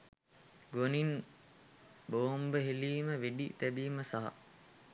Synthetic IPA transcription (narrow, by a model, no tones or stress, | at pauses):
ɡonin | boːmbəɦiliːməʋeɖit̪æbiːməsaɦa̰